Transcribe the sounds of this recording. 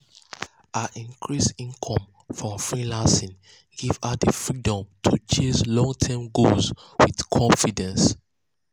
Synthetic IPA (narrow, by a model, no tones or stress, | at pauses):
aʔĩnkʰɹisĩnkʰɔ̃m | fɔfɹilãnsĩn | ɡ̥ivadifɹidɔ̃mtʰut͡ʃẽslɔ̃ŋtʰɛmɡozwið̥kʰɔ̃nfidɛ̃ns